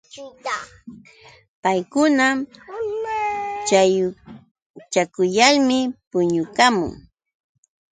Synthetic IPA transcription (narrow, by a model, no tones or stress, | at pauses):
pajkʊnam | t͡ʃaj | t͡ʃakʊjalmɪpʊɲʊkamʊ̰ŋ